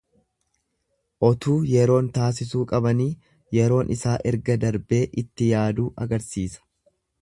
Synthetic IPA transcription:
ʔɔt̪uːjɛɾo̞ːnt̪aːs̬ɪsuːkʼɐbɐniː | jɛɾo̞ːnʔɪsaːʔɛɾɡɐd̪ɐɾbe̞ːʔɪt̪ːɪjaːd̪uːʔɐɡɐɾsiːsɐ̥

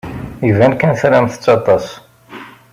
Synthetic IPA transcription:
ivænkænθɾæmθə̥t͡sːɑt̪ˤɑs

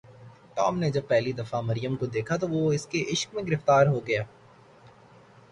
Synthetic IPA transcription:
ʈɔːmned͡ʒɐb̚pɛːɦlid̪ɐfamɐɾijəmkod̪eːkʰat̪oʋoɪskeʔɪʃkmẽɡɪɾɪft̪aːɾɦoɡɐjaː

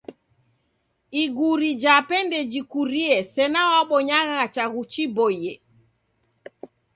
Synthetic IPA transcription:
iɡuɾid͡ʒapɛndɛd͡ʒikuɾiɛsɛnawaɓɔɲaɣat͡ʃaɣut͡ʃibɔjɛ

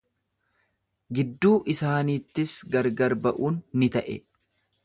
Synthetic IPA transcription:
ɡɪd̪ːuːʔɪsaːniːt̪ːɪsɡɐɾɡɐɾbɐʔuːnːɪt̪ɐʔɛ̰

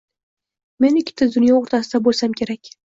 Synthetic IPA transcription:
me̞nɪkʲʰːɪ̥t̪ʰɪzd̪ʊnjɒoɾt̪ʰasɪd̪abolsamkʲʰe̞ɾakʲ

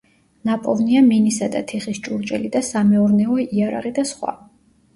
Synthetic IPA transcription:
napʼɔvniaminisad̪a̰t̪ʰɛχist͡ʃʼuɾt͡ʃʼɛ̰lid̪asamɛɔɾnɛɔiaɾa̰ʁid̪asχwa̰

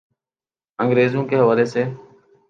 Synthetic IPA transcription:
əŋɡɾeːzũːkeːɦəʋaːleːseː

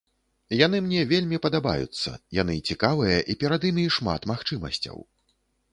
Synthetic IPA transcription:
jan̪ɨmnʲɛvʲelʲmʲipɐd̪aba̰jṵt̪sːɐ̰ja̰n̪ɨt͡sʲikavɨjɐʔipʲɛɾad̪imʲiʂma̰t̪maxt͡ʂɨmɐ̰sʲt͡sʲɐ̰w

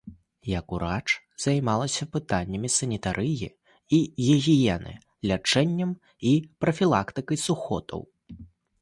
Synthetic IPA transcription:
jɐkuɾat͡ʂ | z̥ajmalˠɐsʲɐpɨt̪anʲːɐmʲisɐnʲit̪aɾʔɨjḭ | iɣʲɛɣʲijɛnɨ̰ | lʲat͡ʂɛnʲːɐm | ipɾɐfʲilˠakt̪ɨkɐjsuxɔ̰t̪ʰɐ̰w

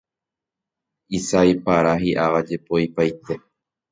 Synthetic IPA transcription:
isajpaɾaɦiʔaʋad͡ʒe̞po̞jpajt̪e̞

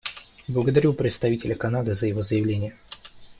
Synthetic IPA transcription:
blˠəɡəd̪ɐɾʲupɾʲɪt̪st̪ɐvʲitʲɪlʲəkɐnad̪ɨzəjɪvozəjɪvlʲenʲɪjə

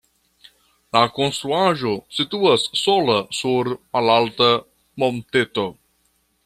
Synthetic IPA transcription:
lakonst̪ɾuaʒo̞situasːolasuɾmalalta | mont̪et̪o

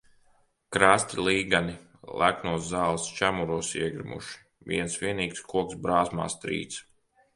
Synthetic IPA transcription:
kɾaːst̪ʲilˠiːɡani | lˠʔæknuɔzzaːlˠst͡ʃæmuɾuɔsiɛɡɾimṵʃi̥ | vḭɛnsʋʲiɛniːkskuɔksbɾaːsma̰ːst̪ɾḭːt̪s

